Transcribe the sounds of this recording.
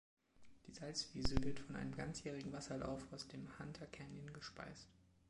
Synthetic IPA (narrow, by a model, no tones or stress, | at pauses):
d̥iːzalt͡sv̥iːzəvɪɐtfɔnʔa̰ɪnəmɡa̰nt͡sjɛːʁɪɡŋ̩vasɐla̰ʊfaʊsd̥eːmhantʰɐkʰɛɐnɪnɡəʃpa̰ɪst